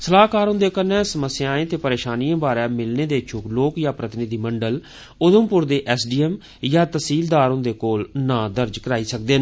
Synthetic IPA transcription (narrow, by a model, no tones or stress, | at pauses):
səlaːkaːɾʊ̃nd̪eːkəɾnɛ̃ːsəməsːjaːẽːt̪eːpəɾeːʃaːniːãːbaːɾɛːmɪlneːd̪eːt͡ʃʰʊkloːkjaːpɾət̪ɪnɪd̪iːməɳɖəl | ʊd̪əmpʊɾd̪eːʔɛːsɖiːɛm | jaːt̪əsiːld̪aːɾʊ̃nd̪eːkoːlnãːd̪əɾd͡ʒkəɾaːiːsək̚d̪eːn